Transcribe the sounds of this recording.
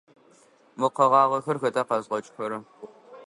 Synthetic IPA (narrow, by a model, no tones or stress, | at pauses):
mɨqɐʁɑːʁɐxɐrxɐtʼaːqɐzʁɐt͡ʃʼxɐɾɐ